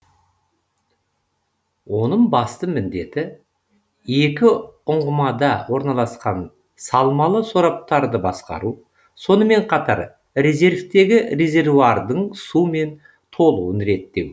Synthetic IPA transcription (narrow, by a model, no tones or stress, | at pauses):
wo̞nəɴbɑst̪əmɪnd̪e̞t̪ɪ | je̞kʲɪʊɴʁəmɑd̪ɑwo̞ɾnɑlˠɑsqɑn | sɑlˠmɑlˠəsoɾɑp̚t̪ɑɾd̪əbɑsqɑ̰ɾu | so̞nəme̞ɴqʰɑt̪ɑɾ | ɾe̞ze̞ɾft̪e̞ɡʲɪre̞zʲe̞rvuaɾd̪əɴsume̞n | t̪ʰo̞lˠuwənɾe̞t̪ːe̞w